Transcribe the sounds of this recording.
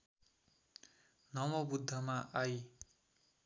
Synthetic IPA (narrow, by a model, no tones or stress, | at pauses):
nʌmʌbud̪ʱːʌmaʔaj